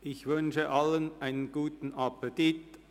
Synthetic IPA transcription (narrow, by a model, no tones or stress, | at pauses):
ʔɪçvʏnʃəʔalənʔaɪnənɡ̥uːtn̩apətit